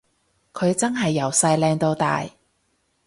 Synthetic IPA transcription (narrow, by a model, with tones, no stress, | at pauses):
kʰɵ˨˧ɥt͡sɐ˥nɦɐ˨jːɐ˨˩wsɐ˧jlɛː˧ŋt̪o˧wt̪a̰ː˨j